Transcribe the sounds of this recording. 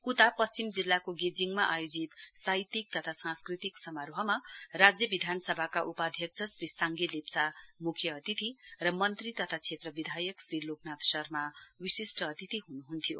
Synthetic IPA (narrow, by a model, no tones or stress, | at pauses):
kut̪apʌst͡simd͡zilːakoɡed͡ziŋmaʔajod͡zit̪sajt̪ik̚t̪ʌt̪ʰasãskrit̪iksʌmaɾoɦʌmarad͡zjʌbid̪ʱanʌsʌbʱakaʔupad̪ʱjʌkt͡sʰʌsrisaŋɡilep̚t͡samukʰjʌʌt̪it̪irʌmʌnt̪rit̪ʌt̪ʰat͡sʰet̪rʌbid̪ʱajʌksriloknat̪sʌrmawisisʈʌːt̪it̪iɦunuɦunt̪ʰijo̰